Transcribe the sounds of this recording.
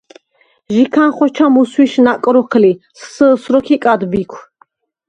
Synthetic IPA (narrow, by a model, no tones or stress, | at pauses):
ʒikʰanχɔt͡ʃʰamuswiʃnakʼɾɔχʰlissəsɾɔkʰikʼad̪bikʷʰ